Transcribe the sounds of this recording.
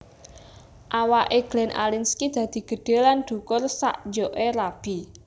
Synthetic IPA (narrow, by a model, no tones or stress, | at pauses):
ʔawaʔeɡ̥lɛnʔa̰linskid̪̥ä̤d̪̥i̤ɡ̥ə̤ɖ̥e̤lanɖ̪̥ṳkʊrsa̰ʔd͡ʒoʔeɾab̥i